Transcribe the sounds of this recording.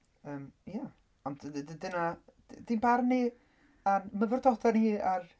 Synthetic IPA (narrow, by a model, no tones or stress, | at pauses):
əːmja | ɔndddənḁ | dinbarni | anməvərdɔdaniːar